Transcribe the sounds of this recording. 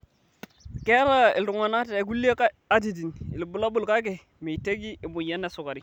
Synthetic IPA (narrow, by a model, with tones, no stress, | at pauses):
ke˦ɾa˦ḭ˨lɾu˨ŋa˨na˦te˨˦ku˦le˦ka˦ | a˦t̬i˨d̬i˨ni˨lbu˨la˦bu˦lka˦k̬e˨ | me˨i˨te˦ɡi˦i˨mu˨ja˦nːe˨su˨ka˨ɾi˦